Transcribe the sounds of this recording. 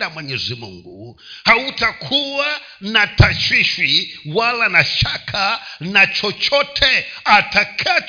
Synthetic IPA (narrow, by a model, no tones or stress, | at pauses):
amwɛɲɛzʷimṵŋɡṵ | hautʰakʰuwa | natʰaʃiʃwiwalanaʃakʰanat͡ʃɔt͡ʃʰɔtʰɛatʰakʰa